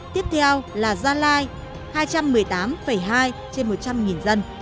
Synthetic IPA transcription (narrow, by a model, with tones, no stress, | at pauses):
t̪i˦˥əp̚t̪ʰɛ˧wlaː˨˩zaː˧laː˧j | haː˧jt͡ɕa˧mːɨ˨˩əjt̪aː˨˦mfə˧˩jɦaː˧jt͡ɕe˧nmo˨˩t̚t͡ɕa˧mŋi˨˩nzə˧n